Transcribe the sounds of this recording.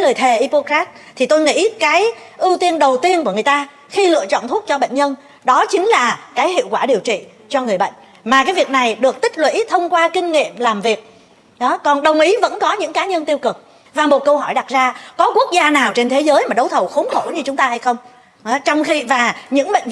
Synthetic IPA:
jləː˨˩jt̪ʰe˨˩ʔi˧po˧kɾaː˦˥t̚t̪ʰi˨˩t̪o˧jŋḭ˧˥kaː˨˦jʔi˧wt̪i˧ənɗə˨˩wt̪i˧ənku˧˩əŋɨ˨˩ə˩jt̪aː˧ | xi˧lɨ̰˧˨t͡ɕɔ̰˧˨nt̪ʰʊ˦˥t̚t͡ɕɔ˧ɓə̰˧˨ŋ̟ɲə˧n | ɗɔ˨˦t͡ɕï˨˦ŋ̟laː˨˩kaː˨˦jɦḭ˧˨əwkwaː˧˩ɗi˨˩əwt͡ɕḭ˧˨ | t͡ɕɔ˧ŋɨ˨˩əjɓə̰˧˨ŋ̟ | maː˨˩kaː˨˦jvi˨˩k̚na˨˩jɗɨ˨˩ək̚t̪ï˦˥k̟̚lwḭ˧˥t̪ʰə˧wŋ͡mkwaː˧kï˧ŋ̟ŋḭ˧˨əmlaː˨˩mvi˨˩ək̚ | ɗɔ˨˦kɔ˨˩nɗə˨˩wŋ͡mʔi˨˦və̰˧˥nkɔ˨˦ɲɨ̰˧˥ŋkaː˨˦ɲə˧nt̪i˧wkɨ˨˩k̚ | vaː˨˩mo˨˩t̚kə˧wɦɔ˧˩jɗa˨˩t̚zaː˧kɔ˨˦ku˦˥ək̚zaː˧naː˨˩wt͡ɕe˧nt̪ʰe˨˦zəː˨˦jmaː˨˩ɗə˨˦wt̪ʰə˨˩wxo˨˦nxo˧˩ɲɨ˧t͡ɕʊ˨˦ŋ͡mt̪aː˧ha˧jxə˧wŋ͡m | t͡ɕɔ˧wŋ͡mxi˧vaː˨˩ɲɨ̰˧˥ŋɓə̰˧˨jŋ̟

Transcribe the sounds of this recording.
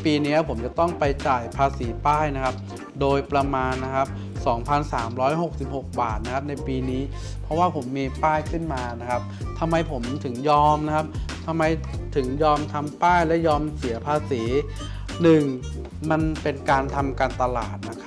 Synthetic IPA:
piː˧niː˦˥ɐpʰo˩˦mt͡ɕa˨˩t̪ɔ˥˩ŋpa˧jt͡ɕaː˨˩jpʰaː˧siː˩˦paː˥˩jna˦˥kʰa˦˥p̚ | doː˧jpɾa˧maː˧nːa˦˥kʰa˦˥p̚ | sɔː˩˦ŋpʰa˧nsaː˩˦mɾɔː˦˥jɦo˨˩k̚si˨˩p̚ho˨˩k̚ba̰ː˨˩t̪̚na˦˥kʰa˦˥p̚na˧jpiː˧niː˦˥ | pʰɾɔ˦˥waː˥˩pʰo˩˦mːiː˧paː˥˩jkʰɯ˥˩nmaː˧na˦˥kʰa˦˥p̚t̪ʰa˧mːa˧jpʰo˩˦mt̪ʰɯ˩˦ŋjɔː˧mna˦˥kʰa˦˥p̚t̪ʰa˧mːa˧jt̪ʰɯ˩˦ŋjɔː˧mt̪ʰa˧mpaː˥˩jlɛ˦˥jɔː˧msi˨˩˦ɐpʰaː˧siː˩˦ | nɯ˨˩ŋ | ma˧npe˧nkaː˧nt̪ʰa˧mkaː˧nt̪a˧la̰ː˨˩t̪̚na˦˥kʰ

